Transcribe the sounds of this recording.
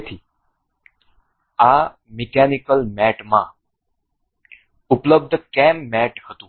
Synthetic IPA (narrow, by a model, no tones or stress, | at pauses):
t̪ʰiː | a | mikænikəlmɛʈma | upləb̚d̪ʱəkɛmːæʈhət̪u